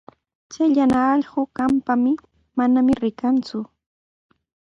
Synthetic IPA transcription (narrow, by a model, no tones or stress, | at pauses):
t͡ʃajʎanaːʎɢokampamɪ | manamɪɾɪkant͡sʊ